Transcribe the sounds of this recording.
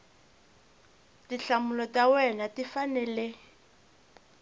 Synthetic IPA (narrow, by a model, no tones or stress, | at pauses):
tiɬamulɔtawɛnatifanɛlɛ